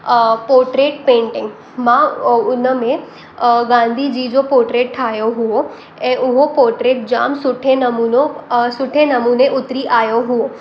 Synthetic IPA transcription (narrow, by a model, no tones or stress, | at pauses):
poːɾʈɾeːʈpẽːɳʈɪ̃ŋɡ | mãʊnəmẽ | ɡãːnd̪ʱid͡ʑiːd͡ʑopoːɾʈɾeːʈʈʰaːjoɦʊo | ẽʔʊɦopoːɾʈɾeːʈ̚d͡ʑa̰ːmsʊʈʰenɐmuːnosʊʈʰenɐmuːneʔʊt̪ɾiʔaːjoɦʊoː